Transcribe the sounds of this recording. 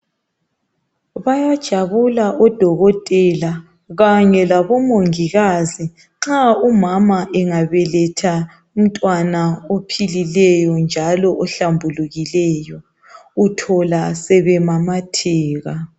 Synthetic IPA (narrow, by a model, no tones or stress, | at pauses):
βajad̥ʒ̥ʱaβulaʔɔd̥ʱɔɣɔtʼɛla | ɣaɲɛlaβɔmoŋiɣazi | ŋ͡ǁaumamaʔɛŋaβɛlɛtʰa | um̩tʼwanaopʰililɛjɔnd͡ʒʱalɔʔɔɬambʱuluɣilɛjɔ | utʰɔlasɛβɛmamatʰɛːɣa